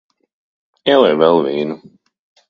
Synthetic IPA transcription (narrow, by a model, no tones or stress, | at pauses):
ɛlɛvɛlˠviːnu